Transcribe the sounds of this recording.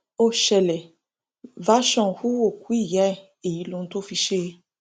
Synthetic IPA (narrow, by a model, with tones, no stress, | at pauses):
o˦˨ʃɛ˨lɛ˨ | va˨˦ʃɔ̃˧˨xu˦o˦˨ku˨˦i˦˨ja˨˦˨ | e˨ji˨˦lũ˦˧˦to˦fi˧ʃe˦